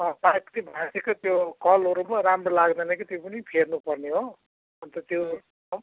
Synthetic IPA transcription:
ʌpapt̪ibʱãsekot̪jokʌlɦoɾumaramrolaɡd̪anakit̪jopʌnipʰernupʌrneɦo | ʌnt̪ʌt̪jo

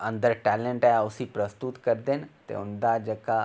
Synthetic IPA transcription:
ə̃nd̪əɾʈɛːlẽɳʈaʊsipɾəst̪ut̪kəɾd̪eːnt̪ḛʊnd̪ad͡ʒəka

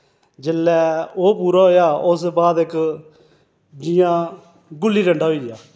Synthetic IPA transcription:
d͡ʒɪlːɛːoːpuːɾaːɦoːjaːʊsbaːd̪ɪk | d͡ʒijãː | ɡʊlːiːɾəɳɖaːɦoiːjaː

